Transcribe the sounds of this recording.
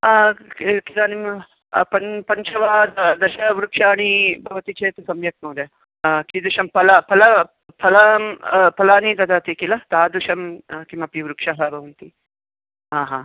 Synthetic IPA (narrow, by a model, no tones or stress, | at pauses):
kit̪aːnim | pɐpɐɲt͡ʃɐʋaːd̪ɐd̪ɐʃɐʋɾukʂaːɳ̃ibʱɐʋɐt̪it͡ʃeːt̪ɐsɐmjɐk̪̚mɐːd̪jɐ | kid̪uʃɐmpɐlɐpʰɐlɐ | pʰɐlɐmpɐlaːnid̪ɐd̪at̪ikilɐt̪aːd̪uʃɐmkimɐpiʋɾukʂɐɦɐbʱɐʋɐnt̪i | ɦaːɦaː